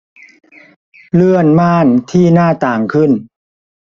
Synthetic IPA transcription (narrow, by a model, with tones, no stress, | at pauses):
lɯ˥˩ənmaː˥˩nt̪ʰiː˥˩naː˥˩t̪aː˨˩ŋkʰɯ˥˩n